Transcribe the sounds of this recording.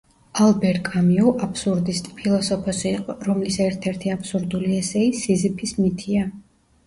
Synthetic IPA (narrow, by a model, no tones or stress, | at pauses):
alˠbɛɾkʼamiuʔapʰsuɾd̪ist̪ʼpʰilˠɔsɔpʰɔsiːqʼɔɾɔmlisɛɾt̪ʰɛɾt̪ʰiapʰsuɾd̪uliɛsɛisizipʰismit̪ʰia